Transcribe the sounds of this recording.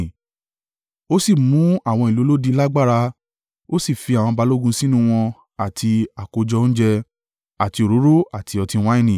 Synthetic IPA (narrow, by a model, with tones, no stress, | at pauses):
o˦si˦˨mũ˨˦a˦˨w̃ɔ̃˧i˨lo˨˦lo˦di˧la˦ɡ͡ba˦˨ɾa˧ | o˦si˦˨fi˧a˨w̃ɔ̃˧ba˧lo˦ɡũ˧si˦nũ˦w̃ɔ̃˧ | a˨tʰi˧a˨ko˧d͡ʒɔ˧˦ñ̩˦d͡ʒɛ˧ | a˨ti˧o˨ɾo˨˦ɾo˦a˦˨tʰi˧ɔ˧tĩ˧w̃ã˦ĩ˦˧nĩ˨